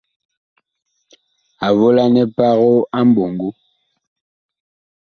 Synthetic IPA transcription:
a˨vo˦la˦nɛ˦pa˦ɣo˦a˦m˦bo˨ŋɡu˦

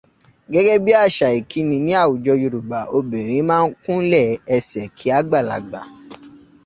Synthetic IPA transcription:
ɡɛ˨˦ɡɛ˦bi˦a˦˨ʃa˨i˨kʰi˨˦nĩ˧nĩ˦a˦˨wu˨d͡ʒɔ˧ju˧ɾu˨ɡ͡ba˨o˧be˨ɾ̃ĩ˨˦mãː˦n̩˦kũ˦lɛ˦˨ɛ˧sɛ˨kʰi˨˦a˦ɡ͡ba˦˨la̰˨ɡ͡ba˨

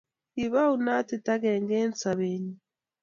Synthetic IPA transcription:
i˨βa˦u˨na˦ti˨ta˦ɣeːŋɡeː˦nt͡sa˨βeɲi

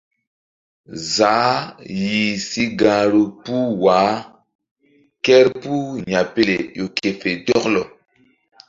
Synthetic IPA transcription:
zaː˨˦ji˨si˦ɡa˨ɾo˨pu˦waː˨˦ | kɛ˦ɾpu˦ɲa˨pe˦le˨jo˨ke˨fe˨dɔ˦klɔ˨

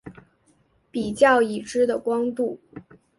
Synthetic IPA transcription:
pi˨˩t͡ɕjɑ˥˩ʊi˨˩ʈ͡ʂɻ̩˥d̪ə˨kwɑ˥ŋt̪u˥˩

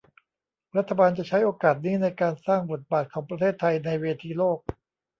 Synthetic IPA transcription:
ɾa˦˥t̪ʰːa˧baː˧nt͡ɕa˨˩t͡ɕʰa˦˥jʔoː˧kaː˨˩t̪̚niː˦˥na˧jkaː˧nsaː˥˩ŋbo˨˩t̪̚baː˨˩t̪̚kʰɔː˩˦ŋpɾa˧t̪ʰeː˥˩t̪ʰːa˧jna˧jweː˧t̪ʰiː˧loː˥˩k̚

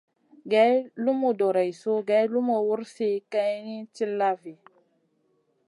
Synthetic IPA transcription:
ɡa˦jlu˦mo˨do˨ɾa˨jso˦ɡa˨˦jlu˦mo˨wu˦ɾse˦ka˦ni˦t͡ʃi˦lːa˦vi˨

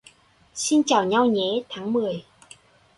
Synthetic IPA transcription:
si˧nt͡ɕaː˨˩wɲa˧wɲɛ˨˦t̪ʰaː˨˦ŋmɨ˨˩əj

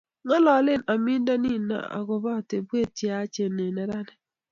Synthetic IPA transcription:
ŋɔ˦lɔ˨˦lɪ˦˨na˨mi˦nda˦ni˦na̰˨a̰˨ɡʊ˨ba˦˨te˨bwe˦˨t͡ʃja˦t͡ʃe˨ne˨nɛ˨ɾa˦nɛ˦

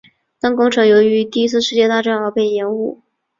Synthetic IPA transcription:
t̪a˥ŋkʊ˥ŋʈ͡ʂʰɤ˧˥jo˧˥ʊy˧˥t̪i˥˩˧i˥t͡sʰɹ̩˥˧ʂɻ̩˥˧t͡ɕjɛ˥˧t̪a˥˧ʈ͡ʂa˥nɑ˥˧ʊpe˥˩ɪjɛ˧˥nu˥˩

